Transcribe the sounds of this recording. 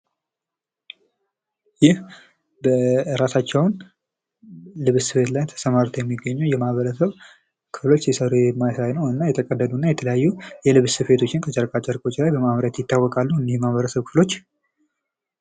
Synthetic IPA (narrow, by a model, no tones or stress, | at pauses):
jɪh | bəɾasat͡ʃːɛwn | lɨβsɨβe̞t̪lajnt̪ʰə̥səmaɾt̪ʰojɛmːiɡːəɲːujɛmahβəɾəsəβ | kʰɨflo̞t͡ʃːjɛsəɾujɛmːajsajnəwɨnːajɛt̪ʰəkʼəd̪ːəd̪unːajɛt̪ʰələjajːujɛlɨβsɨβe̞t̪ʰo̞t͡ʃːɪnkʰət͡ʃʼəɾkʼat͡ʃʼːəɾkʼo̞t͡ʃːlajbəmaβɾat̪jɪt̪ʰːawːɔkʼalːuɨnːɪhjmahβəɾəsəβkʰɨ̥flo̞t͡ʃː